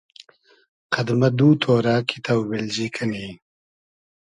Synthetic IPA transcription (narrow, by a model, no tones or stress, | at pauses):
qɐd̪mɐd̪uːt̪ʰoːɾaːkʰit̪ʰɐwbelzikʰɐniː